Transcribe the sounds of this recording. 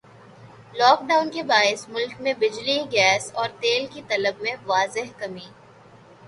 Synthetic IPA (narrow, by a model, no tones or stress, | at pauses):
lɔːk̚ɖaːʊnkebaːɪsmʊlkmẽbɪd͡ʒliɡɛːsɔːɾt̪eːlkit̪ɐləbmẽʋaːzɪɦkɐmiː